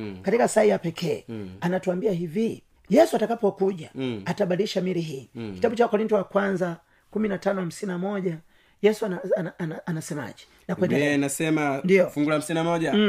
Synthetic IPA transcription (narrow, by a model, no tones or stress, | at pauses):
katikasaijapɛkʰɛanatuambiahivi | jɛsuatakapɔkuʄaataɓaliʃamiɾiɦiːki̥taɓut͡ʃawkɔɾintɔwakwanza | kuminatanɔham̩sininamɔʄa | jɛsu | anasɛma̰ʄɛ̥ | nakwɛndɛɛnasɛmandiɔfuŋɡulaham̩sinamɔʄa